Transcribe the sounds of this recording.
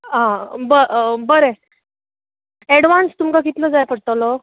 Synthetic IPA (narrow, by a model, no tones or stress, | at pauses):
ɦãbəbəɾe | ɛɽʋanst̪umkak̬it̪ləd͡zajpəɽt̪alɔ